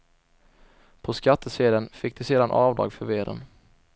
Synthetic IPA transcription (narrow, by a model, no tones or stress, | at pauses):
pʰɔskat̪ʰːəseːd̪ənfɪk̚ːd̪ɛseːd̪anʔɑːvd̪ɾɑ̰ːɡfœɾveːɾə̰n